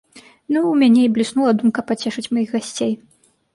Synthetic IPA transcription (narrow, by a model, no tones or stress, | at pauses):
nuːmʲanʲɛiblʲisnulˠɐd̪umkɐpat͡sʲɛʂɨt͡sʲmajixɣasʲt͡sʲej